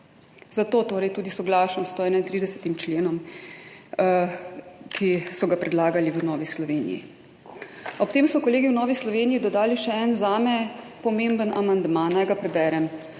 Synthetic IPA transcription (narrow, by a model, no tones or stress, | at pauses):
z̥at̪oːt̪oːɾɛjt̪uːd̪isɔɡlaːʃɔmst̪oɛːnajnt̪ɾiːd̪ɛsɛ̥t̪imt͡ʃleːnɔm | kʰisɔɡapɾɛd̪laːɡaliʋənɔːʋislɔʋeːnḭjḭ | ɔpt̪eːmsɔkɔleːɡiwnɔːʋislɔʋeːniid̪ɔd̪aːliʃɛɛnzaːmɛ | pɔmembənʔamand̪manajɡapɾɛbɛːɾɛm